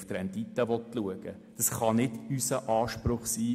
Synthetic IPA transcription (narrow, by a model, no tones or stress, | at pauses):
ft̪ɾɛnd̥itəʋɔtluəɡ̥ə | d̥ɑsχɑnɪd̥ysəʔɑːʃpɾʊχsiː